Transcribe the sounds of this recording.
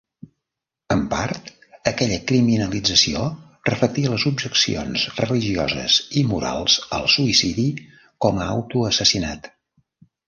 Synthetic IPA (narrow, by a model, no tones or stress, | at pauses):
əmpart̪ | əkɛʎəkɾiminəlid͡zəsio | rəflək̚t̪iələzubʒəksḭo̰nzrəliʒiɔ̰zə̰zimuɾa̰lˠzə̰lˠsuisiði | kɔməawt̪uəsəsinat̪